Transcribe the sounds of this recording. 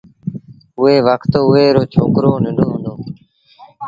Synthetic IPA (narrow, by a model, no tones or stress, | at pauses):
ʊeːʋəkt̪oʊeːɾoːt͡ʃʰoːkɾoːnɪɳoːɦʊnd̪oː